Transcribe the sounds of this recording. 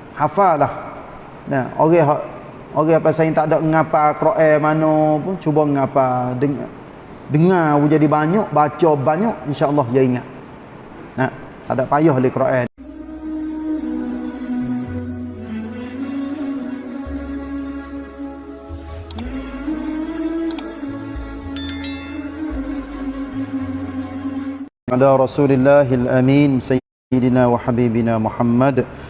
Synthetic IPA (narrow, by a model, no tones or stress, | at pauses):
hafalah | na̰o̰ɣɛɦɔʔ | oɣɛhapasaiŋt̪adɔʔŋapakɾoʔɛmanopʊnt͡ʃubaŋapadəŋ̰ | dəŋawud͡ʒadibaɲɔʔbat͡ʃɔbaɲɔʔinʃaəlːɑɦjaiŋaʔ̪̚ | na | t̪a̰dɔʔpajɔɦolehkɾoʔɛn | alaɾˤɑsuːlɪlːaɦalʔamiːnsa | ɪdɪnawaħabiːbɪnamuħamːad